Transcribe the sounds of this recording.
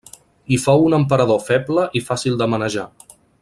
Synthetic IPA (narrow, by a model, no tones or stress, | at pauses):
ifɔwunəmpəɾəðofɛbləʔifasilˠd̪əmənəʒa